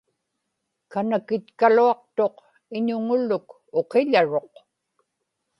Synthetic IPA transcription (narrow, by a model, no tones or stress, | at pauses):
kanakɪt̪kaluɑq̚t̪o̞q | ɪɲʊŋʊlʊk | oqeʎaɻo̞q